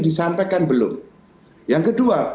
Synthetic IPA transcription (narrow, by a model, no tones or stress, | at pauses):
disampajkanbəlʊ̰m | jaŋkədua